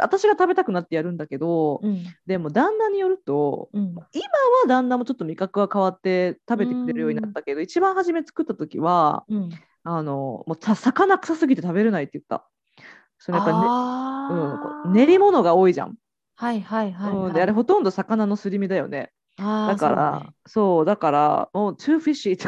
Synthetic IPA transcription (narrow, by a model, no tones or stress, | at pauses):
a̰t̪aɕiɡat̪abe̞t̪akɯ̟nat̪ːe̞jaɾɯ̟̃nd̪ake̞d̪o̞d̪e̞mo̞d̪ãnːaɲ̟ijo̞ɾɯ̟t̪o̞mimaβad̪ãnːamo̞t͡ɕo̞t̪ːo̞mʲikakɯ̟ɡakaβ̞at̪ːe̞t̪abe̞t̪eki̥ɾeɾɯjo̞ːɲinat̪ːake̞d̪o̞it͡ɕibãɰ̃haʑime̞t͡sɨ̥kɯ̟t̪ːat̪o̞kʲḭβa | ano̞moːt̪asakanakɯ̟̥sasɨɡʲit̪e̞t̪abe̞ɾɯnait̪ːejɯt̪ːa̰ | sonojapːainɯ̟̃ːɴko̰ne̞ɾʲimo̞no̞ɡao̞ːiʑã̰ŋ | hahaɯ̟̃ɴd̪eaɾe̞ɦo̞t̪õ̞nd̪o̞sakananosɨɾʲimʲid̪ajo̞̰ne̞̰ | d̪akaɾa̰ | so̞ːd̪akaɾa̰moːt͡ɕɨːɸiɕit̪